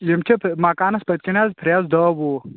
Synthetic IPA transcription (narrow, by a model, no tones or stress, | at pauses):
jɐmt͡ʃʲʰepʰmaːkaːnɐspɐt̪̚kʲinʲazpʰɾʲjaːzd̪ɐːbo